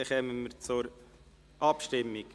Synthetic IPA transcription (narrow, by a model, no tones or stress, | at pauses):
əχɛmənməɾt͡sʊɾ | ʔɑpʃtɪmːɪk